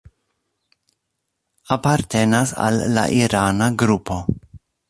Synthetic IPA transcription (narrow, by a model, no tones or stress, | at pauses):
apaɾt̪enasa̰lːa̰ʔiɾanaɡɾupʰo̞